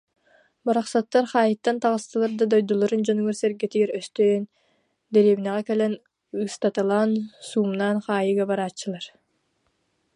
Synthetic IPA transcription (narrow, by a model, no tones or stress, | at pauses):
baɾaχsat̪ːaɾχɑːjɯt̪ːant̪ɑʁɯst̪ɯlˠaɾd̪ad̪ɔjd̪ulˠɔɾund͡ʑɔnyɡœɾsɛɾɡɛt̪iɡɛɾœst̪øːn | d̪ɛɾiβinɛʁɛkɛlɛn | ɯst̪at̪ɯlˠaːnsuːmnaːnχɑːjɯɡabaɾaːt͡ɕːɯlˠaɾ